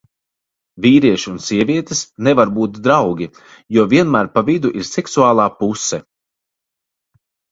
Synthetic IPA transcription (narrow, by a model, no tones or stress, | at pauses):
viːɾiɛʃunsiɛviɛt̪ɛsnɛvaɾbuːt̪̚d̪ɾawɡʲi | juɔviɛnmæːɾpavid̪uʔiɾsɛksuaːlˠaːpusːɛ